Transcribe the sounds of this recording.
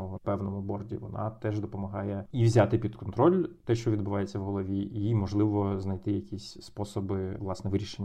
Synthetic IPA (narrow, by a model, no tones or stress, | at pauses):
pɛwnɔmʊbɔrdʲḭʋɔ̰nɑ̰t̪ɛʒd̪ɔpɔmɐɦɑjɛiʋzʲat̪ɪpʲid̪kɔnt̪ɾɔlʲt̪ɛʃt͡ʃɔʋʲid̪bʊʋɑjet͡sʲːɐwɦɔlˠɔʋʲiimɔʒlˠɪʋɔznɐjt̪ɪjɐkʲisʲspɔsɔbɪʋlˠɑsnɛʋɪɾʲiʃenʲː